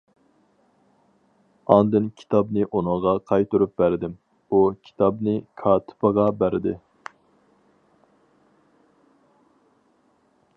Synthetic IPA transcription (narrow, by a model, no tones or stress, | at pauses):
ɑnd̪ɨnkʲʰi̥t̪ʰɑbnɨʔunɨŋʁɑqʰɑjt̪uɾup̚bæɾɪd̪ɪm | ukʲʰi̥t̪ʰɑbnɪkʰɑːt̪ʰɪ̥pʰəʁɑbæɾɪd̪ɪ